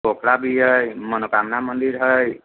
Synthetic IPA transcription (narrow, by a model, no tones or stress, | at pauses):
okɽabiɦʌjmʌnokamnamʌnd̪iɾɦʌj